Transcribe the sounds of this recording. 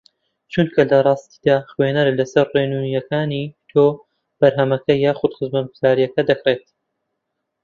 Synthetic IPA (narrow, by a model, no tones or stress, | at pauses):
t͡ʃunt̪kʰɐlɐrˤɑːst̪i̥d̪aːχwenɐɾlɐsɐɾrenuːnjɐkaːnit̪ʰoː | b̥ɐɾɦɐmɐkɐjaːxʊd̪χɨzmɐt̪ɡuzaːɾijɐkɐd̪ɐkreːt̪̚